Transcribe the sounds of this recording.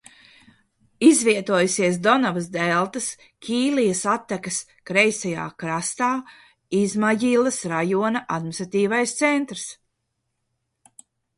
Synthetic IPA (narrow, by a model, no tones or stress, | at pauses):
izviɛt̪uɔjusiɛs̬d̪ɔnavɐs̬d̪ɛlˠt̪ɐs | kʲiːlijɐsat̪ːakɐs | kɾɛjsaja̰ːkɾast̪aː | izmajilˠɐsɾajuɔnɐʔad̪mʲinst̪ɾat̪iːvajst̪sɛnt̪ɾs